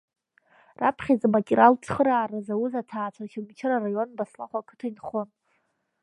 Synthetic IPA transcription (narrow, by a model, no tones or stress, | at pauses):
rapʰχʲazamakʲʼiɾalt͡ʃʰχəɾaːɾazawuzatʰaːt͡ʃʷʰaʃʲamt͡ʃʰɪrarajo̞nbasla̰χʷakʰɨ̥tʰainχon